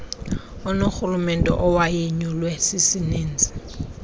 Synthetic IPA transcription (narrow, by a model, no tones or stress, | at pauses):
ʊnok͡xʰʊlʊmɛn̩tʼɔ̰ʔɔwaiɲɔlwesɪsɪneːn̩t͡sʼɪ̥